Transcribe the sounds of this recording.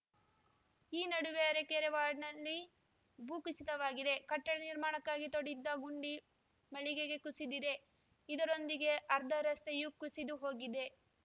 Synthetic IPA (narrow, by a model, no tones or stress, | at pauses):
iːnɐɽuʋeɐɾekeːɾeʋaːɾɖnɐlːi | bʱuːkisit̪ɐʋaːɡid̪e̞kɐʈːɐɽɐniɾmaːɳɐkːaːɡit̪oɽid̪ːɐɡuɳɖi | mɐɭiɡeɡe̞kusid̪id̪e̞ | id̪ɐɾo̞nd̪iɡe̞ʔɐɾd̪ʱɐɾɐst̪ejukusid̪uɦo̞ːɡid̪e̞